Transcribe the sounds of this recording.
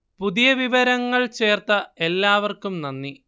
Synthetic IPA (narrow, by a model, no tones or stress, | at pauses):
puðijɐʋiʋɐɾɐŋːɐɭt͡ɕe̞ːrt̪ɐelːaːʋɐrkumnɐnːi